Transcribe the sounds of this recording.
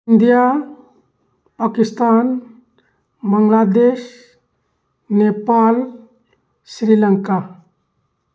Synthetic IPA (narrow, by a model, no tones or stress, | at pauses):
ind̪ija | pakist̪an | bəŋɡlad̪eʃ | nepal | sɾiləŋka